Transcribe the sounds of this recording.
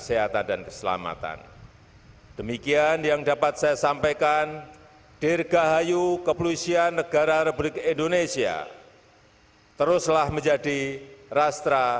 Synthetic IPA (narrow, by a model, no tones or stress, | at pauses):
əseɦat̪andankəsəla̰ma̰t̪a̰n | d̥əmikianjaŋdapat̪̚sajasampajkan | d̥ɪrɡaɦajukəpluisianːəɡ̥aɾaɾubɾɪkindonesia̰ | t̪əɾʊslahməɲd͡ʒadirast̪ɾa